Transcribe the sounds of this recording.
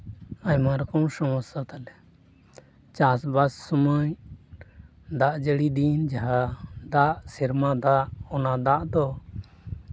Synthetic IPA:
aɲmaɾkɔ̃w̃sɔmɔsat̪alɛ | t͡ʃasbasːɔməɲ | d̪aʔd͡ʒəɽid̪ind͡ʒaɦad̪aʔsiɾmad̪aʔɔnad̪aʔd̪ɔ

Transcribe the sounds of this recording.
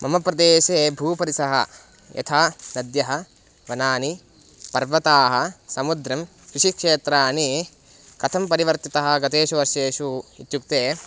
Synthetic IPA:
mʔɐmɐpɾɐd̪eːʃeːbʱuːpɐɾisɐɦɐ̰ | jɐ̰t̪ʰaːnɐd̪jɐɦɐ̆ | ʋɐnaːni | pɐɾʋɐt̪aːɦɐ̆sɐmud̪ɾɐm | kɾɪʂikʂeːt̪ɾaːni | kɐt̪ʰɐmpɐɾiʋɐɾt̪it̪ɐɦɐ̆ɡɐt̪eːʃuɐʃjeːʃuit̪juk̚t̪eː

